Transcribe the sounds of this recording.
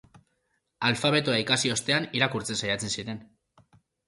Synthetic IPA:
alfaβ̞e̞t̪uaikasio̞st̪e̞aniɾakuɾt͡se̞nsajat͡se̞nsiɾe̞n

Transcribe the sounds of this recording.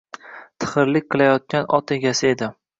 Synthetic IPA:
t̪ʰɨ̥χɨɾlɪkʲqʰɨlajɒt̪̚kʲanɒt̪e̞ɡʲasɪe̞d̪ɪ

